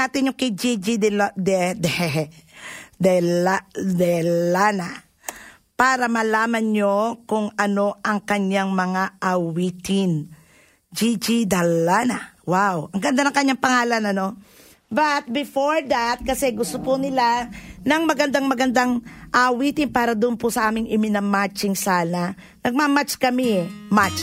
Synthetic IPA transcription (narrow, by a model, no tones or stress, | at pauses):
aːt̪ɪnjʊŋkɪd͡ʒid͡ʒid̪d̪ɛd̪ɛhɛ | d̪ɛlad̪ɛlana | paːɾɐmɐlaːmɐnɲokʊŋɐno̞ʔɐŋkɐɲjaŋmɐŋaʔɐwit̪ɪn | d͡ʒid͡ʒid̪ɐlanɐwawɐŋɡɐnd̪anɐŋkɐɲːaŋpɐŋaːlɐnɐno̞ | bɐt̪̚bɪfoɹd̪at̪̚kɐsɛɡʊst̪opʊnɪlanɐŋmɐɡɐnd̪aŋmɐɡɐnd̪aŋʔawit̪ɪnpaːɾɐd̪ʊʔnpʊsɐʔaːmɪŋɪmɪnɐmat͡ʃɪŋsaːnɐ | nɐɡ̚mamat͡ʃkɐmɪmat͡ʃ